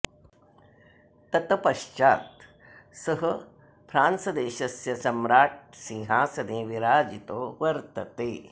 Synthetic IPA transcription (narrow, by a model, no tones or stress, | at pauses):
t̪ɐt̪ɐpɐʃt͡ʃaːt̪ | sɐɦɐ̆ | pʰɾaːnsɐd̪eːʃɐsjɐsɐmɾaːʈ̚sĩːɦaːsɐneːʋiɾaːd͡ʒit̪oːʋɐɾt̪ɐt̪eː